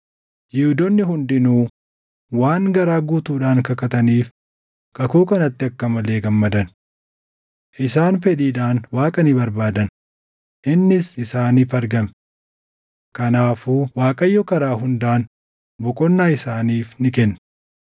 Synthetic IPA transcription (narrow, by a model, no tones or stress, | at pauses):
jɪhʊd̪ɔnːɪɦʊnd̪ɪnuː | waːŋɡɐɾaːɡuːt̪uːᶑaːŋkɐkɐt̪ɐniːf | kʼɐkuːkɐnɐt̪ːɪɐkːɐmɐleːɡɐmːɐd̪ɐn | ʔɪsaːnfɛᶑiːᶑ̪aːnwaːkʼɐnɪbɐɾbaːd̪ɐn | ʔɪnːɪsɪsaːniːfɐɾɡɐm | kɐnaːfuːwaːkʼɐjːɔkɐɾaːɦʊnd̪aːn | bɔkʼɔnːaːɪsaːniːfnɪkɛnː